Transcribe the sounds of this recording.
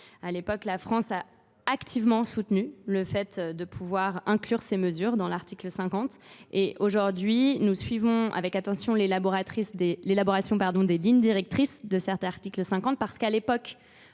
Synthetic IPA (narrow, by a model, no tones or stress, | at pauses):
alepɔklafχɑ̃sa | akt̪ʰivmɑ̃sut̪nyləfɛt̪d̪əpʰuvwaʁɛ̃klyʁseməzyʁd̪ɑ̃laʁt̪ikləsɛ̃kɑ̃t̪eʔoʒuʁd̪ɥinusɥivɔ̃a̰vɛkat̪ɑ̃sjɔ̃lelabɔʁat̪χisd̪elelaboʁasjɔ̃paʁd̪ɔ̃d̪eliɲd̪iʁɛk̚t̪χisd̪əsɛʁt̪aʁt̪ikləsɛ̃kɑ̃t̪̚paʁsə̥kalepɔk